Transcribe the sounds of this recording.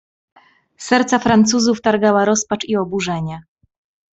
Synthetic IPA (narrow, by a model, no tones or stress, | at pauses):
sɛɾt̪safɾant̪suzuft̪aɾɡawaɾɔspat͡ʂiɔbuʐɛɲɛ